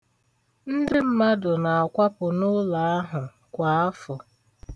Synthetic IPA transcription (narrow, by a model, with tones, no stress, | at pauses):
n̩˦dɪ˦m̩˦ma˦dʊ˨na˨a˨kʷa˦pʊ˨nʊ˦la˨˦a˦ɦʊ˨ | kʷa˨a˦fʊ˨